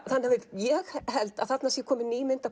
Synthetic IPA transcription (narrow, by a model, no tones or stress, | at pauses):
θanhavɪðjɛɣhɛlt̪að̥θat̪nasjɛkʰɔːmɪniːmɪnt̪a